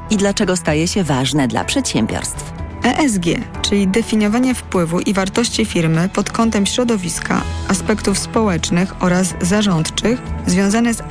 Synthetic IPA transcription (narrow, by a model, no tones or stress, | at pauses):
id̪lat͡ʂɛɡɔst̪ajɛɕɛvaʐnɛd̪la̰pʂɛt̪ɕɛmbʲjɔ̰ɾst̪fɛʔɛzɡʲjɛt͡ʂɘlʲid̪ɛfʲiɲɔvaɲɛfpwɘvuʔivaɾt̪ɔɕt͡ɕifʲiɾmɘpɔt̪kɔnt̪ɛmɕɾɔd̪ɔvʲiskʰa̰aspɛkt̪ufspɔwɛt͡ʂnɘxɔɾazːaʐɔnt̪t͡ʂɘxzvʲjɔ̃w̃zanɛz